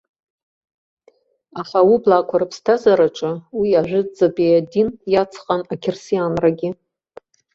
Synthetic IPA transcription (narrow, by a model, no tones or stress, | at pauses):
aħawiblakʷʰaɾapʰstʰazaɾaʈ͡ʂʼɨwiaʒᶣʷʊd͡zabejadinjat͡sʰqʼanakʲʰɪrsijanraɡʲɪ